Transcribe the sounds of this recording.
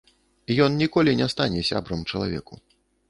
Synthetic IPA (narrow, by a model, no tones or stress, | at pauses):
ijɔnnʲikɔlʲinʲɛst̪anʲɛsʲa̰bɾɐmt͡ʂɐlˠavʲɛ̰ku